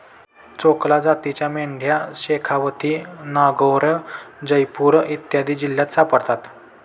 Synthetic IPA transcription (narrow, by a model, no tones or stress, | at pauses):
t͡soklad͡zat̪it͡ɕjameɳɖʱjaɕekʰaʋət̪ʰiːnaɡowɾəd͡ʑəjpuɾit̪jad̪iːd͡ʑiljat̪sapəɽt̪at̪